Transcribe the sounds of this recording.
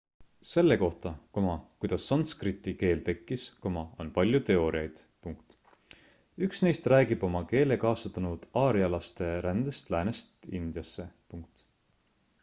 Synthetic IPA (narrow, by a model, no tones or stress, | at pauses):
se̞lːeko̞ht̪ɑkomɑkujd̪̥ɑsːɑnskrit̪ːike̞ːlt̪e̞kˑːisko̞mɑo̞npɑlʲjut̪e̞o̞ːɾiɑjd̪̥ | puŋkt̪ | yksne̞jst̪ræːɡib̥o̞mɑke̞ːlekɑːsɑt̪ːˑɑnud̪̥ɑːɾiɑlɑst̪e̞ɾænd̪̥est̪læːnest̪ind̪̥jɑsːe̞puŋk̚t̪